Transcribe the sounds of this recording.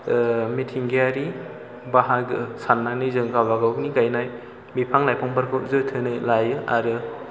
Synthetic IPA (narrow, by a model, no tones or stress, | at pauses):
mitʰiŋɡijaɾi | baɦaɡɯsanːak̚nizɯŋɡabaɡawniɡajnaj | mipʰaŋlajpʰɔŋbaɾkʰɯzɯtʰɯnɯlajɯʔaɾɯ